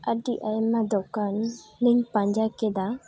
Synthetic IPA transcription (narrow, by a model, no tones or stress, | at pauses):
əɖiʔajmad̪ɔkanːiɲpãɲd͡ʒakɛd̪a